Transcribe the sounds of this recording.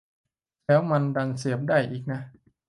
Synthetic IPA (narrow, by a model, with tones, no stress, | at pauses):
lɛː˦˥wma˧nda˧nsi˨˦əp̚daː˥˩jʔiː˨˩k̚na˦˥ʔ